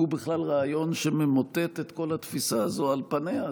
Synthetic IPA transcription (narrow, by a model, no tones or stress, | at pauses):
ubiχlalʁaːjo̞nʃememot̪et̪et̪ko̞lat̪fisaːzo̞alpanea